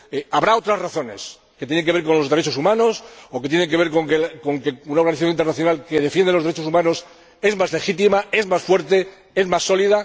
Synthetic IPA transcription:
eaβɾao̞t̪ɾazraθo̞ne̞̰s | ket̪jenekeβeɾkonlo̞zðeɾe̞t͡ʃo̞sumãno̞soke̞t̪jeneŋk̬e̞βe̞ɾkoŋkeko̞ŋkeunaoɾɣaniθajoint̪eɾnaθjo̞nalke̞ð̞e̞fje̞nd̪eloðɾet͡ʃo̞sumãno̞s | e̞zmazle̞xit̪̬imae̞zmasfwe̞ɾt̪e̞ | e̞zmasːo̞lið̞a

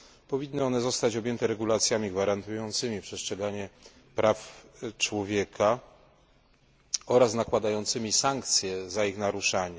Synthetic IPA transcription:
pɔvʲinːɘɔnɛzɔst̪at͡ɕɔbjɛnt̪ɛɾɛɡulat̪sʲjamʲiɡvaɾant̪ujɔnt̪sɘmʲipʂɛstʂɛɡaɲɛ | pɾaft͡ʂwɔvʲjɛkʰa | ɔɾasnakwad̪ajɔnt̪sɘmʲisaŋkt̪sʲjɛzaixnaɾuʂaɲɛ

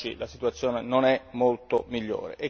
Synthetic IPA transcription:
ḭlasit̪uat̪sːjoːnenonɛmːolt̪omiʎːo̰ːɾḛʔe

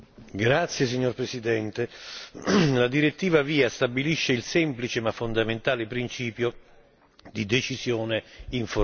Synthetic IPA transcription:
ɡɾat̪sːjes̬iɲːorpɾesid̪ɛnt̪e | lad̪iɾet̪ːiːvaviːast̪abiliʃːeilsɛmplit͡ʃemafːond̪ament̪aːlɪpɾint͡ʃiːpjo | d̪id̪et͡ʃisjoːneiɱfo

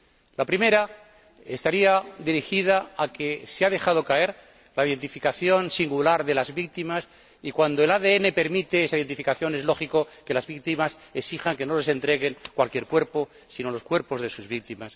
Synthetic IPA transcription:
lapɾime̞ɾa | est̪aɾiaðiɾixið̞aake̞seaðe̞xaðo̞kae̞ɾ | laiðe̞nt̪ifikaθjo̞nsiŋɡulaɾðe̞lazβik̚t̪imas | ikwand̪oe̞laðe̞ene̞pe̞ɾmit̪eesaiðent̪ifikaθjo̞ne̞zlo̞xiko̞ke̞lazβikt̪imase̞ksixaŋke̞no̞le̞se̞nt̪ɾe̞ɣe̞ŋkwalkje̞ɾkwe̞ɾpo̞ | sino̞lo̞skwe̞ɾpo̞zðe̞suzβik̚t̪imas

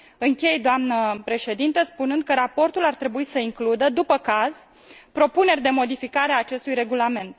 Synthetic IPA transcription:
ɨŋkʲe̞jd̪oamnəpɾe̞ʃe̞d̪int̪əspunɨnd̪̚kəɾapo̞rt̪ulart̪ɾe̞buisəiŋklud̪əd̪upəkaz | pɾo̞pune̞rʲd̪e̞mo̞d̪ifikaɾeaːt͡ʃe̞st̪ujɾe̞ɡulame̞nt̪

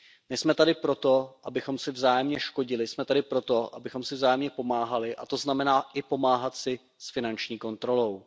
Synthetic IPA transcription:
nɛsmɛt̪adɪpɾo̞t̪o̞ʔabɪxo̞msɪvzaːjɛmɲɛʃko̞ɟɪlɪsmɛt̪adɪpɾo̞t̪o̞ʔa̰bɪxo̞msɪvzaːjɛmɲɛpo̞maːɦalɪʔa̰t̪o̞znamɛnaːʔɪpo̞maːɦat̪sɪ | sfɪnant͡ʃɲiːko̞nt̪ɾo̞lo̞w

